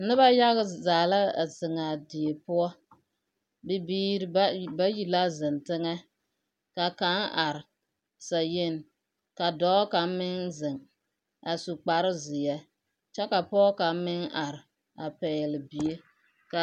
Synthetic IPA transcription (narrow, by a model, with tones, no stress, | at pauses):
nɪ˦ba˦ja˦ɣɪ˦zaː˨la˦˨zɪ˨ŋa˨dɪ˨e˨pʊ˦ɔ˦ | bɪ˦biː˦ɾba˦ji˨la˦zɪ˨ntɪ˦ŋɛ˦ | ka˨ka˦ŋa˨ɾɪ˨ | sa˨je˦˨n˨ | ka˨dɔː˦ka˨˦mɪ˦ŋzɪ˨ŋ | a˨su˨k͡pa˨ɾɪ˦zɪ˨jɛ˦ | t͡ʃɛ˦ka˨pɔː˦ka˨˦mɪ˦ŋa˨ɾɪ˨ | a˨pɛː˨lɪ˨bi˨e˦ | ka˨